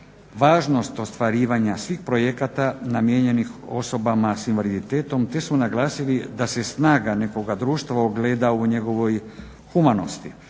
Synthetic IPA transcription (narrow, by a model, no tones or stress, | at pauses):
ʋaːʒno̞st̪o̞st̪ʋaɾiːʋaɲasʋixpɾojekat̪anamjeɲe̞nixo̞so̞bamasinʋalid̪it̪eːt̪o̞mt̪e̞smonaɡlˠaːsilid̪ase̞snaːɡane̞ko̞ɡad̪ɾuːʃt̪ʋaoɡleːd̪auɲe̞ɡo̞ʋo̞j | xumanost̪i